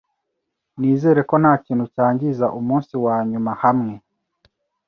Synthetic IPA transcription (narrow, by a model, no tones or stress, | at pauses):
niːzeːɾekonaːciːn̥hucaːɲɟizaʔumuːnsiwaːɲumahamŋe